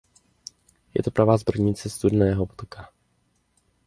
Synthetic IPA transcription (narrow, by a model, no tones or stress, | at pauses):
jɛ̰t̪opɾovaːzbr̩ɲɪt͡sɛst̪udnɛːɦobot̪kʰa